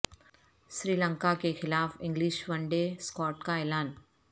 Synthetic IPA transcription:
ʃɾiːlə̃ŋkakexɪlaːfɪ̃ŋɡlɪʃʋɐ̃ɳɖeskɔːʈkaɛːlaːn

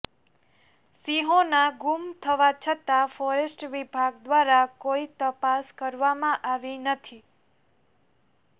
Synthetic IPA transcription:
siɦonaɡumt̪ʰəʋat͡ʃʰət̪afɔɾesʈʋibʱaɡd̪ʋaɾakoit̪əpaskəɾʋamãʔaʋinət̪ʰi

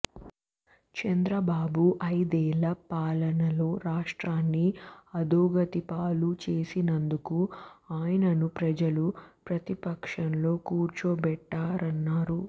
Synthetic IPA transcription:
t͡ʃɐnd̪ɾɐbaːbuʔɐjd̪ɛːlɐpaːlɐnɐlo̞ːɾaːʂʈɾaːnːiɐd̪uːɡɐt̪ipaːlut͡ʃe̞ːsinɐnd̪ukuaːjɐnɐnupɾɐd͡ʒɐlupɾɐt̪ipɐkʂɐnlo̞ːkuːɾt͡ʃoːbɛʈːaːɾɐnːaːɾu

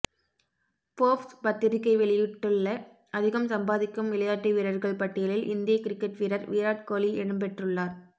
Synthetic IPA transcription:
poːfspɐt̪ːɪɾɪkːɐɪʋɛɭɪjɪʈːɯɭːɐ | ɐðɪɣɐmsɐmbaːðɪkːɯmʋɪlɐjaːʈːiʋiːɾɐɾɣɐɭpɐʈːɪjɐlɪlʔɪ̰nd̪ɪjɐkɪɾɪkːɛʈʋiɾɐɾʋiːɾaːʈ̚koːliɛɳɯmpɛʈrɯɭːaːɾ

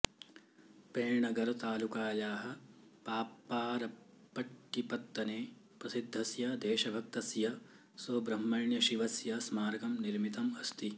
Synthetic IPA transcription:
peːɳɐɡɐɾt̪aːlukaːjaːɦɐ̆ | paːpːaːɾɐ | pːɐʈkːipɐt̪ːɐneː | pɾɐsid̪ʱːɐsjɐd̪eːʃɐbʱɐk̚t̪ɐsjɐ | soːbɾɐmːɐɳjɐʃiʋɐsjɐsmaːɾɐɡɐmniɾmit̪ɐmɐst̪i

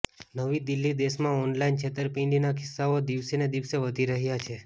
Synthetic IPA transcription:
nəʋid̪ɪlːid̪eʃmãɔnlaint͡ʃʰet̪əɾpĩɖinakʰɪsːaod̪iʋsened̪iʋseʋəd̪ʱiɾəɦjat͡ʃʰe

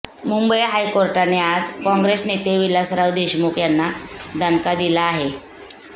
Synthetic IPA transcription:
mumbəjɦajkoɾʈanead͡zkɔ̃ŋɡɾesnet̪eʋilasɾaʋd̪eɕmuːkjanːad̪ʱənkad̪ilaːɦe

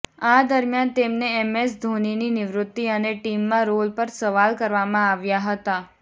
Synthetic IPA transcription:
ad̪əɾmjant̪emneɛmesd̪ʱonininɪʋɾʊt̪ːiəneʈimːãɾolpəɾsəʋalkəɾʋamãaʋjaɦət̪a

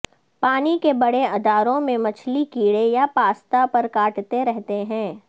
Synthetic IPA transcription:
paːnikebɐɽeɐd̪aːɾõmẽmɐt͡ʃʰlikiːɽejapaːst̪apɐɾkaːʈt̪eɾɛɦt̪eɦɛ̃ː

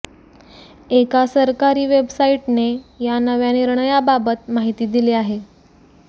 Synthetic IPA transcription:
ekasəɾkaɾiːʋebsaiʈnejanəʋjaniɾɳəjababət̪maɦit̪iːd̪ileaɦe

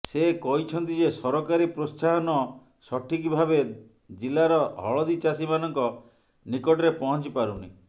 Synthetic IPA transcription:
sekɔɦit͡ʃʰɔnt̪id͡ʒesɔɾɔkaɾipɾossaɦɔnɔ | sɔʈʰik̬ibʱabe | d͡ʒilaɾɔɦɔ̰ɭɔd̪it͡ʃasimanɔŋkɔ | nikɔʈɔɾepɔɦɔnt͡ʃipaɾunḭ

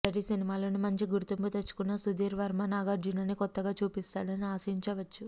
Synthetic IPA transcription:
ɐɾisinimaːloːnumɐɲt͡ʃiɡuɾt̪umput̪et͡ʃːu̥kunːɐsud̪iːɾʋɐɾmɐnaːɡaːd͡ʒinɐnikɔt̪ːɐɡaːt͡ʃuːpist̪aːɽɐniaːsɐiɲt͡ʃɐʋɐt͡ʃːu

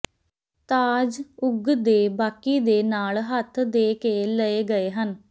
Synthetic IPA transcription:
t̪aːd͡ʒʊɡd̪eːbaːkiːd̪eːnaːlɦət̪ʰd̪eːkeːləeːɡəeːɦən

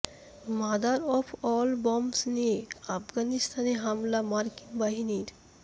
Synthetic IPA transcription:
mad̪aɾɔpʰɔlbɔmsnieafɡanist̪ʰaneɦamlamaɾkinbaɦiniɾ

